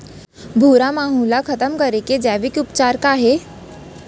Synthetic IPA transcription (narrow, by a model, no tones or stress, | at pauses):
bʱuːɾamaːɦũlakʰət̪əmkəɾeked͡ʑɛʋikʊpt͡ɕaɾkaːɦe